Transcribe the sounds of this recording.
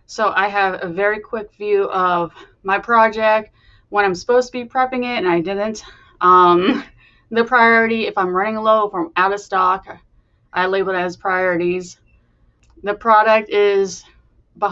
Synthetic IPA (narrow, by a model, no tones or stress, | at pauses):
soʊʔaɪɨvɨvɛɹikʰw̥ɪkv̥jʉʔʌv | maɪpʰɹ̥ɑd͡ʒɛk̚t̚ | wə̃ɾ̃ãɪ̃msə̥poʊz̥tʰəbipʰɹ̥ɛpɪ̃ŋɪɾɨ̃naɪdɪdⁿn̩t | ʔʌ̃m | ðɨpʰɹ̥aɪɔɹɨɾiɨfãɪ̃mɹʌ̃nɪ̃ŋəloʊfɹʌ̃maʊɾʌ̥stɑk | ʔaɪleɪbl̩ˠaɪz̥pʰɹ̥aɪɔɹɨɾiz | ðɨpʰɹ̥ɑɾɨk̚tɪz | bə